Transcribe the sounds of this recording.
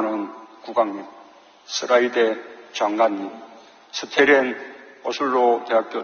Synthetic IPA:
nɯnkuɡaŋɲi | sʰɯɾaidet͡ɕaŋɡaɲːim | sʰɯtʰeɾenʌsʰuɭːot̪eɦak͈jʌ

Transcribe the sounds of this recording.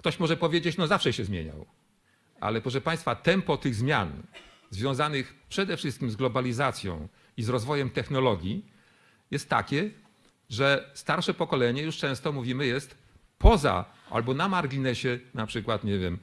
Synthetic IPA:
kt̪ɔɕmɔʐɛpɔvʲjed͡ʑet͡ɕnɔzafʂɛɕɛzmʲjḛɲa̰w | ʔa̰lɛpɾɔʂ̬ɛpaj̃st̪fat̪ɛmpɔt̪ɘɣzmʲja̰n | zvʲjɔ̃w̃zanɘxpʂɛd̪ɛfʂɘst̪kʲimzɡlɔbalʲizat̪sʲjɔ̰̃w̃ | izɾɔzvɔjɛmt̪ɛxnɔlɔɡʲji | jɛst̪ːa̰kʲɛ | ʐɛst̪aɾʂɛpɔkɔlɛɲɛjuʂt͡ʂɛ̃w̃st̪ɔmuvʲimɘjɛst̪ | pʰɔza̰a̰lbɔnamaɾɡʲinɛɕɛnapʂɘkwat̪ɲɛvʲjɛm

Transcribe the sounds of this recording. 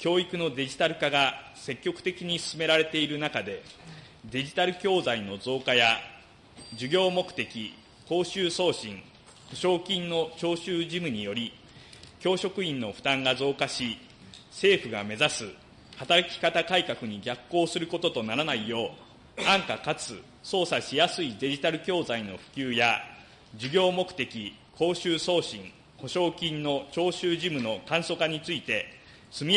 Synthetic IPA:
kʲo̞ːikɯ̟no̞d̪e̞ʑi̥t̪aɾɯ̟kaɡa | se̞kʲːo̞kɯ̟̥t̪e̞kʲiɲ̟isɨ̥sɨme̞ɾaɾe̞t̪e̞iɾɯ̟nakad̪e̞ | d̪e̞ʑit̪aɾɯ̟kʲo̞ːzaino̞zo̞ːkaja | d͡ʑɨɡʲo̞ːmo̞kɯ̟̥t̪e̞kʲi | ko̞ːɕɨːso̞ːɕĩŋ | ɸɯ̟ɕo̞ːkʲĩnːo̞t͡ɕo̞ːɕɨːʑimɯ̟ɲ̟ijo̞ɾʲi | kʲo̞ːɕo̞kɯ̟ĩnːo̞ɸɯ̟̥t̪ãŋɡazo̞ːkaɕi | se̞ːɸɯ̟ɡame̞zasɨ | hat̪aɾakʲi̥kat̪akaikakɯ̟ɲ̟iɡʲakːo̞ːsɨɾɯ̟ko̞t̪o̞t̪o̞naɾanaijo̞ː | ãŋkakat͡sɨ | so̞ːsaɕijasɨid̪e̞ʑit̪aɾɯ̟kʲo̞ːzaino̞ɸɯ̟̥kʲɨːja | d͡ʑiɡʲo̞ːmo̞kɯ̟̥t̪e̞kʲi | kʰo̞ːɕɨːso̞ːɕĩŋ | ho̞ɕo̞ːkʲĩnːo̞t͡ɕo̞ːɕɨːʑimɯ̟no̞kãɰ̃so̞kaɲ̟it͡sɨit̪e̞ | sɨmʲi

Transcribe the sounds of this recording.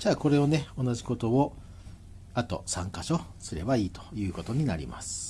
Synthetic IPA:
d͡ʑaːko̞ɾe̞o̞ne̞o̞naʑikot̪o̞o | at̪o̞̰sãŋkaɕo̞sɨɾe̞̰baiːt̪o̥jɯ̟ːko̞t̪o̞ɲ̟inaɾʲḭma̰sɨ̥

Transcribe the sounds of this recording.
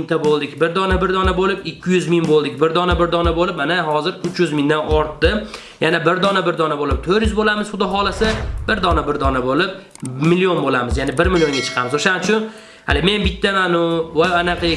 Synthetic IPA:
nt̪ʰabolˠd̪ɪkʲbɪɾd̪ɒnabɪɾd̪ɒnabolɪpɪkʲʰːɪjʏzmɪŋbolˠd̪ɪk̚ʲbɪɾd̪ɒnabɪɾd̪ɒnabolɪp̚manaɦɒzɪɾʊt͡ʃjʏzmɪnd̪anɒɾt̪ːɪ | janabɪɾd̪ɒnabɪɾd̪ɒnabolɪp̚t̪ʰoɾjʏzbolamɪz̥χʊd̪ɪɦɒlˠasɪbɪɾd̪ɒnabɪɾd̪ɒnabolɪp̚ | mɪlijo̞nbolamɪzjanɪbɪɾmɪljo̞ŋɡʲat͡ʃʰɨ̥qʰɑmɪzoʃanɪt͡ʃʰʊn | ha̰lɪme̞nbɪt̪ʰːamanʊvaanaqʰi

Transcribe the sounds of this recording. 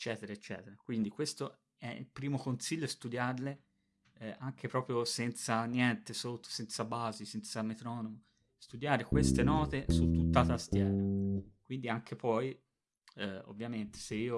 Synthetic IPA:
et͡ʃːɛːt̪eɾaet͡ʃːɛ̰ːt̪eɾakwind̪ikwest̪o | ɛḭlpɾiːmokonsiʎːoest̪ud̪jarle | ʔaŋk̟ʰepɾɔːpɾjosɛnt̪sanjɛnt̪esot̪ːo̥sɛnt̪sabaːzisɛnt̪samet̪ɾɔːnomo | st̪ud̪jaːɾekwest̪enɔːt̪esut̪ːut̪ːat̪ast̪jɛːnokwind̪iaŋk̟ʰepɔj | ɛo̰vːjament̪e̥seiːo

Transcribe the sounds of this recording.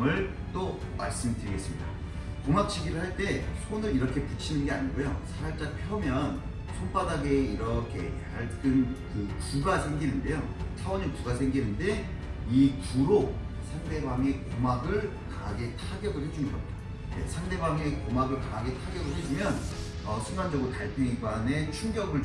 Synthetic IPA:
ŋɯɭ | t͈oma̰ɭs͈ɯmitɯɾiɡe̞s͈ɯmɲida̰ | koŋak̚t͡ɕʰiɡiɾɯɭhaɭt͈e̞sʰonɯɾiɾʌkʰe̞put͡ɕʰinɯnɡe̞a̰ɲiɡojo̰sʰaaɭt͡ɕ͈apʰjʌmjʌn | sʰonpadaɡeiɾʌkʰe̞ | aɭt͈ɯnkɯpuɡasʰe̞ŋɡinɯnde̞jo | t͡ɕʰawʌɲikuɡasʰeŋɡinɯnde̞ | ikuɾosʰaŋde̞bwaŋe̞komaɡɯɭ | kaɡetʰaɡjʌɡosʰed͡ʑuŋjʌk̚ | je̞̰sʰaŋde̞bwaŋe̞komaɡɯɭkaɡe̞tʰaɡjʌɡɯsed͡ʑumjʌn | ʌsʰuŋɡand͡ʑʌɡotaɭpuiɡwane̞t͡ɕʰuŋɡjʌɡɯɭ

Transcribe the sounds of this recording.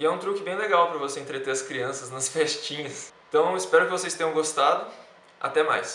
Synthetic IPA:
ɪɛũt̪ɾukɪbẽj̃leɡawpɾɐvosẽnt̪ɾet̪eɐskɾiɐ̃sɐznɐsfɛʃt͡ʃĩɲɐst̪ɐ̃w̃ɪspɛɾʊkɪvosejst̪ẽj̃ɐ̃ɡost̪ad̪ʊ | a̰t̪ɛma̰js

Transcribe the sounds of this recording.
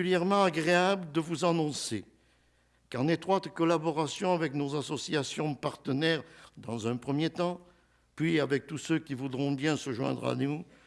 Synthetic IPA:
yljɛʁmɑ̃aɡʁeabləd̪əvuzanɔ̃se | kɑ̃net̪χwat̪kɔlabɔʁasjɔ̃avɛknozasɔsjasjɔ̃paʁt̪ənɛʁd̪ɑ̃zɛ̃pχəmjet̪ɑ̃ | pɥiavɛk̚t̪usøkʲivud̪ʁɔ̃bjɛ̃səʒwɛ̰̃d̪ʁa̰nu

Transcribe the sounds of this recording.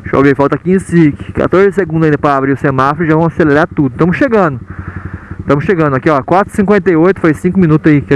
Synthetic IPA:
ʃo̰vefawt̪ɐkĩẽsikɪ̥ka̰t̪oɾzɪseɡũd̪zĩd̪ɐpɾɐabɾiʊsẽmafɾʒavɐ̃w̃aseleɾaɾt̪ud̪ʊt̪ɐ̃mʊsʃeɡɐ̃d̪ʊ | t̪ɐ̃mʊsʃeɡɐ̃d̪ʊakiɔkwat̪ɾʊ̥sĩŋkwẽnt̪ejojt̪ʊ̥fajsĩŋkʊmĩnut̪ʊzaik

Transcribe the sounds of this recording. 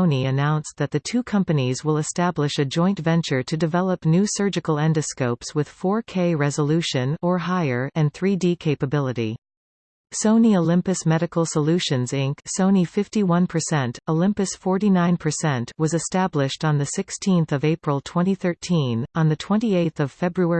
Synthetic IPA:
ʊ̃niɨnãʊ̃nsðɨt̪̚ðɨtʰʉkʰʌ̃mpɨnizwəlˠəstæblɨʃɨd͡ʒɔ̃ɪ̃ntvɛ̃nt͡ʃə˞ɾɨdɨvɛlˠəpnʉsɜ˞d͡ʒɨkl̩ˠɛ̃ndɨskoʊpswɨð̥fɔɹkʰeɪɹɛzəlʉʃɨ̃nə˞ɦaɪə˞ɨ̃nθɹidikʰeɪpəbɪlˠəɾḭ | sõʊ̃nioʊlɪ̃mpɨsmɛɾɨkl̩ˠsəlʉʃɨ̃nzɪ̃ŋksõʊ̃nifɪftiwʌ̃npʰə˞sɛ̃ntoʊlɪ̃mpɨsfɔɹɾinãɪ̃npʰə˞sɛ̃ntwʌzɨstæblɪʃtn̩ðɨsɪkstʰĩnθʌveɪpɹəl̩ˠtʰw̥ɛ̃ɾ̃iθɜ˞tʰĩnə̃nðɨtʰw̥ɛ̃ntieɪθʌv̥fɛbɹuɛ

